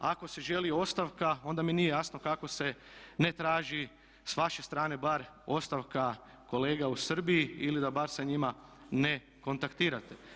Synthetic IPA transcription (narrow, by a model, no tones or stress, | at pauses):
ako̞se̞ʒe̞lio̞st̪aʋkao̞nd̪aminijejasnokako̞se̞ne̞t̪ɾaːʒi | sʋaʃe̞st̪ɾaːne̞baɾ | o̞st̪aʋka | ko̞le̞ːɡausr̩bijiilid̪abaɾsaɲimane̞ | ko̞nt̪akt̪iːɾat̪e̞̥